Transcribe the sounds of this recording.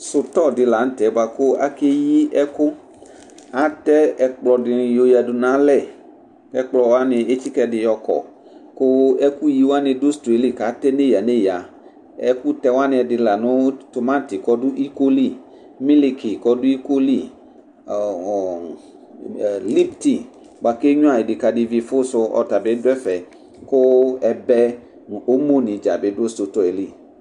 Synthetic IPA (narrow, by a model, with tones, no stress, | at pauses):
sʊ˨t̪ɔ˦˨dɪ˨la˨˦n̩˦t̪ɛ˨˦ba˨kʊ˦a̰˦ke˦ji˦ʔɛ˦kʊ˦ | a˦t̪ɛ˦ɛ˨k͡plɔ˧dɪ˨jo˧ja˨dʊ˨nã˨˦lɛ˦˨ | kɛ˦k͡plɔ˧wa˦nɪ˧e˦t͡ʃi˦kɛ˦dɪ˨jɔ˨kɔ̰˨ | kʊ˦ɛ˦ku˦ji˨˦wa˦nɪ̃˧dʊ˦st̪e˨li˦˨ka˨˦t̪ɛ˦ne˦˨ja˨ne˦˨ja˨ | ɛ˦ku˦t̪ɛ˦wa˦nɪ̃˧ɛ˨˧dɪ˨la˨nʊ˦to˨mã˦˨ti˨kɔ˦dʊ˦ʔi˦ko˦li˦˨ | mĩ˦li˨kʰi˨kɔ˦dʊ˦i˦ko˦li˦˨ | li˦pti˨ | ɡ͡ba˨ke˦ɲũ˦a˨e˨dɪ˨ka˨dɪ˨vi˨fʊ˦sʊ˧ɔ̰˨ta˨bɪ˨˦dʊ˦ɛ˦fɛ˨ | kʊ˦ɛ˨bɛ˦ | nʊ˨ʔo˦mo˦˨nĩ˨d͡ʒa˨bɪ˨˦dʊ˦stʊ˨tɔ˨e˨li˦˨